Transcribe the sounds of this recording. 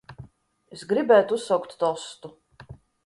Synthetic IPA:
ɛsɡɾibɛːt̪usɔwkt̪d̪ɔst̪u

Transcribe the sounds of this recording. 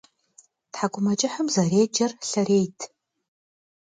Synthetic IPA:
tħaɡʷʊmɐt͡ʃʼɪħəmzɐreːd͡ʒɐrɬɐɾeːjtʰ

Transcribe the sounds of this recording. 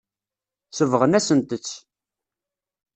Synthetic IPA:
səvʁənæsənt̪ət͡sː

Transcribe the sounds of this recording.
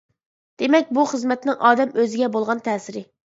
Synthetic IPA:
d̪̥emɛkʲbuχəzmɛt̪nɪŋʔɑːd̪ɛmøzɪɡʲɛbolˠʁɑnt̪ʰɛːsɪɾɪ

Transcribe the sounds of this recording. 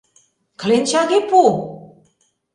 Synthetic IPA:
klent͡ɕaɣepu

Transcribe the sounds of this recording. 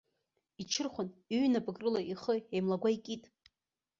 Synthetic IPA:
it͡ʃʰɨrχʷʊnyɥnapʼɨɡʼrɨlaʔiχəejmlaɡʷaikʼitʼ

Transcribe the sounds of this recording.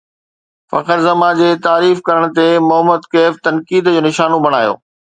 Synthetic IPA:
fɐ̰kəɾzɐmad͡ʑeːt̪aːɾiːfkɐɾəɽ̃t̪emʊɦəmːəd̪keːft̪ɐnkiːd̪d͡ʑoːnɪʃaːnobʱɐɽ̃aːjo̰ː

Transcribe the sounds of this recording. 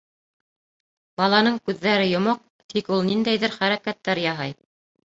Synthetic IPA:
bɑlˠɑnɤɴkʉðːæɾɘjŏmoq̚ | t̪ʰikulˠnind̪æjðɘɾχæɾækæt̪ːæɾjɑɦɑj

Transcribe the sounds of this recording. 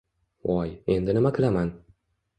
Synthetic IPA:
wɒje̞nd̪ɪnɪmakʲʰɪlaman

